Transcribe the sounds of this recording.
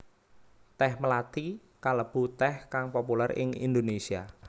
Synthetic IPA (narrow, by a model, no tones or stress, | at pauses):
t̪ɛhməlat̪i | kaləb̥ṳt̪ɛhkaŋpopulɛrɪ̰ŋḭnd̪onesia̰